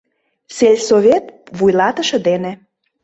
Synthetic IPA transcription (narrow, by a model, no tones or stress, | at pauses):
selʲsoβʲet̪βujlɑt̪ə̆ʃɤ̆d̪ene